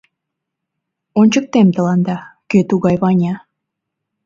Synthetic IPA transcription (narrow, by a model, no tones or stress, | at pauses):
onʲt͡ɕək̚t̪emt̪ə̆lɑnd̪ɑkøt̪uɣɑjβɑnʲɑ